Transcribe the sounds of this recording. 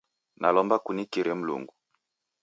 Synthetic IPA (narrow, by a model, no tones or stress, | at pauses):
nalɔmbakunikiɾɛm̩lṵŋɡu